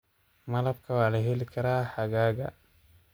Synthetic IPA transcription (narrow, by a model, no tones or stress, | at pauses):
mɐlɐb̚kʰɐwaːlɐɦɛlikʰɐɾaːħaɡaːɡa̰